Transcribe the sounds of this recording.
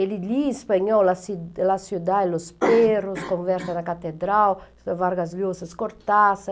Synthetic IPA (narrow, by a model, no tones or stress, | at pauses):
eliʎiːspaɲɔwlaslasjud̪aelosperoskoɱvɛɾt̪anakat̪ed̪ɾaw | vaɾɡazljosaskoɾt̪asa